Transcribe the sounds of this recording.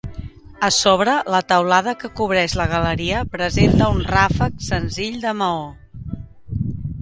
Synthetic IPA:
əsoβɾələt̪əwlað̞əkəkuβ̞ɾɛʃləɣ̞ələɾiəpɾəzent̪əunrafəksənziʎd̪əməo

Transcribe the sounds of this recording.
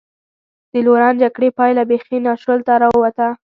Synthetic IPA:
d̪̥əloɾɑnd͡ʒaɡɽepɑjlabexinɑʃəlt̪aɾɑwwat̪a

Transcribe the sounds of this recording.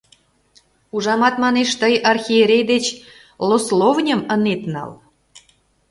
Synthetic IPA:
uʒɑmɑt̪mɑneʃt̪əjɑrxʲieɾʲejd̪et͡ɕ | loslovnʲəmənet̪nɑ̰l

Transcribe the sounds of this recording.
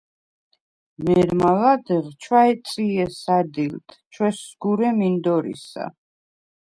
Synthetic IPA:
mɛɾmalad̪ɛʁt͡ʃʰwaɛt̪sʼiɛsad̪ilt̪ʰt͡ʃʰwɛsːɡuɾɛmind̪ɔɾḭsa̰

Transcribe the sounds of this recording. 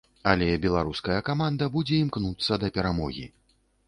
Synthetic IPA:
ɐlʲɛbʲɛlˠaɾuskɐjɐkamand̪ɐbud͡zʲɛimknut̪sːɐd̪ɐpʲɛɾamɔ̰ɣʲḭ

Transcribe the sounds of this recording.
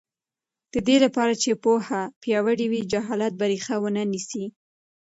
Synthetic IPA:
d̪̥əd̪elapɑɾat͡ʃepohapjɑwəɽiwid͡ʒaɦɑlat̪̚baɾixawənanisi

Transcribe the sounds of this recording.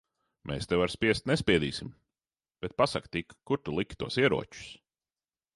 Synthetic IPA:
mʔɛ̰ːst̪ewaɾspʲiɛst̪nɛspʲiɛd̪ḭːsim | b̥ɛt̪̚pasakt̪ikːuɾt̪ulˠikʲt̪uɔsiɛɾṵɔt͡ʃu̥s

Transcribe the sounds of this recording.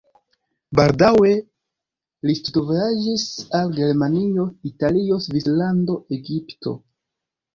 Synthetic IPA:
baldawe̞ | listutovad͡ʒisalɡe̞ɾmanio̞italio̞svislando̞ʔeɡipto̞̰

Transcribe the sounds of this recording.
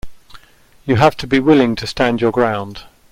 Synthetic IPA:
jəɦaftʰəbiwɪlɪ̃ŋtʰəstãnd͡ʒjəɡɹãʊ̃nd̥

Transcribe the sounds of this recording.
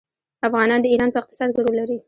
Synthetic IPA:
afɣɑnɑnd̪əiɾɑnpəɪqt̪ɪ̥sɑd̪ɡaɽolaɾi

